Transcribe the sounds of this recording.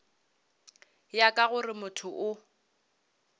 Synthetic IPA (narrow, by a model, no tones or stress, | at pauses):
jakʼaɣʊrɪmʊtʰʊʔʊ